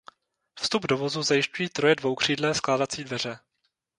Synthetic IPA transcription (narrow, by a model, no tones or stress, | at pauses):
fst̪ubdovo̞zuzajɪʃcujiːt̪ɾo̞jɛdvo̞wkr̝̥iːdlɛːsklaːdat͡siːdvɛr̝ɛ